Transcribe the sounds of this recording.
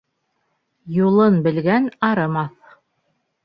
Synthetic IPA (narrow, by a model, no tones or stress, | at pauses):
julˠɤnbɘ̆lɡænɑɾɤ̆mɑθ